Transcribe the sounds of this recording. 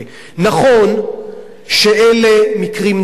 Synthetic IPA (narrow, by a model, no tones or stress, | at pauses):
naχo̞n | ʃeʔelemikʁim